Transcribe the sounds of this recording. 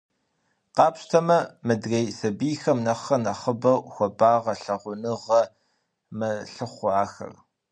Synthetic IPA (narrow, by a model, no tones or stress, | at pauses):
qɑːpɕtʰɐmɐmɨdrejsɐbiːxɐmnɐχɐnɐχəbɐwxʷɔbaːʁɐɬɐʁʷʊnɨʁɐ | mɐɬɨχʷʊaːxɐ̰r